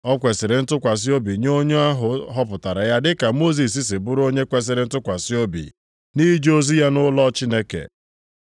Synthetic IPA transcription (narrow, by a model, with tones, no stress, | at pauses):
ɔ˦kʷe˨sɪ˨ɾɪ˨n̩˦tʊ˦kʷa˨s̬ɪ˦o˦bi˨ɲo˦ɲo˦a˦ɦʊ˨ɦɔ˦pʊ˨ta˨ɾa˨ja˦dɪ˦ka˨mo˦z̬i˨s̬i˦sɪ˨bʊ˦ɾo˦ɲe˦kʷe˦s̬ɪ˨ɾɪ˨n̩˦tʊ˦kʷa˨sɪ˦o˦bḭ˨ | ni˦d͡ʒo˦zi˦ja˦nʊ˦lɔ˦t͡ʃi˦ne˦kḛ˨